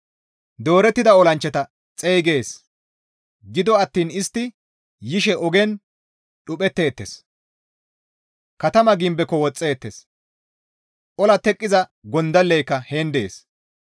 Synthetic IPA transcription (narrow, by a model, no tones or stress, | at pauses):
d̪o̞ːɾɛt̪ːɪd̪ɐɔlɐnt͡ʃːɛt̪ɐ | t͡sʼejɡe̞ːs | ɡɪd̪ɔɐt̪ːiːnɪst̪ːɪ | jɪʃɛʔɔɡɛn | ɗʊpɛt̪ːe̞ːt̪ːes | kɐt̪ɐmɐɡɪmbɛkːɔwɔt͡sʼːeːt̪ːes | ʔɔlɐt̪ɛkʼːɪzɐɡɔnd̪ɐlːɛjkːɐheːnd̪e̞ːs